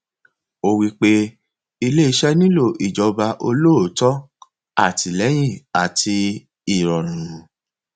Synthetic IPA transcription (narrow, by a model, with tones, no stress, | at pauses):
o˧wi˦k͡pe˦ | i˧le˦i˧ʃɛ˦nĩ˦lo˦˨ʔi˨d͡ʒɔ˧ba˧ʔo˧lo˦o˨tɔ˦ | a˦˨tʰi˨lɛ˨˦j̃ĩ˦˨a˨tʰi˧ | i˨ɾɔ˨ɾ̃ũ˨˦